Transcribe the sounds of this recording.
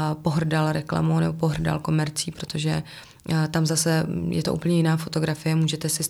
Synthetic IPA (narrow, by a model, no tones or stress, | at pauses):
po̞ɦr̩dalɾɛkla̰monɛbo̞po̞ɦrda̰lko̞mɛɾt͡siːpɾo̞t̪o̞ʒɛ | t̪amzasɛjɛ̰t̪oṵːpl̩ɲɛjɪnaːfo̞t̪o̞ɡɾafɪjɛmuːʒɛt̪ɛsɪ